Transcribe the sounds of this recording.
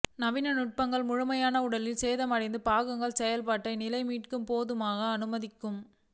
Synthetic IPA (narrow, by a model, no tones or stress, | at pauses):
nɐʋɪnɐnʊʈ̚pɐŋɡɐɭmʊɻʊmɐjaːnɐʊɽɐlɪlseːðɐmɐɽɐɪnd̪ɯpaːɣɯŋɡɐɭsɛjɐlpaːʈːɐɪnɪlɐɪmiːʈkɯmpoːðɯmaːɣɐːnɯmɐðɪkːɯm